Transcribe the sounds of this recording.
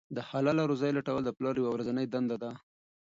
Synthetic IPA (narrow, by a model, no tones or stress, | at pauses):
d̪əhalalaɾozɑjlaʈawəld̪əplɑɾjawawɾazanəjd̪and̪ad̪a